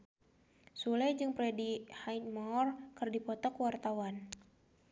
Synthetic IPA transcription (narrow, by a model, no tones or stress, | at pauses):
sulɛd͡ʒɨŋpɾɛdihajt̪̚markɨrdipɔt̪ɔkwart̪awan